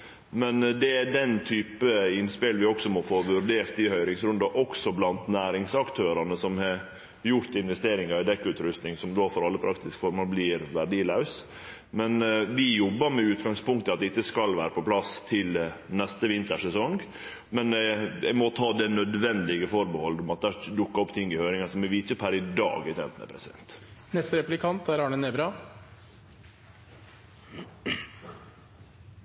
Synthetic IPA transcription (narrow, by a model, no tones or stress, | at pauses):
mɛnd̪ɛæɖɛnt̪ʰyːpəɪnspɪlʋɪɔksɔmɔfoːʋʉɾɖ̪eːɾt̪ɪhœʏɾɪŋsɾʉnd̪ɑʔɔksɔblɑnt̪næːɾɪŋsɑkt̪ʰøːɾɑnəsɔmhɑ | jʊɾt̪ɪnʋɛst̪eːɾɪŋɑɪd̪ɛkːʉːt̪ɾʉst̪nɪŋsɔmd̪oːfɔɾɑlːəpʰɾɑkt̪ɪskfɔɾmoːlblɪːɾʋæɖiːlɑʉs | mɛnʋɪjɔbːəɾmɛʉːt̪ɡɑŋspʊŋkt̪əɑt̪̚ɛɪt̪ːəskɑlʋæːɾəpʰɔpʰlɑst̪ʰɪlnɛst̪əʋɪnt̪əʂɛsɔŋɡ | mɛnjɛ̰ɡmɔt̪ʰɑːd̪ɛnœd̪ʋɛnd̪ɪɡəfɔɾbəhɔld̪ɔmɑt̪̚d̪æːd̪ʊkːɑɔpt̪ʰɪŋːɪhøːɾɪŋɑsɔmɛʋɪtːəpʰæɾɪd̪ɑ̰ːɡɪt̪ʰɛ̰ːnt̪nə̰pʰɾɛsɪd̪ɛ̰nt̪nɛst̪əɾɛplɪkʰɑnt̪æɾɑɳəneːbɾɑ